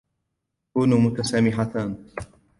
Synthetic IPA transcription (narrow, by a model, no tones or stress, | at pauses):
kuːnuːmʊt̪asaːmɪħat̪aːn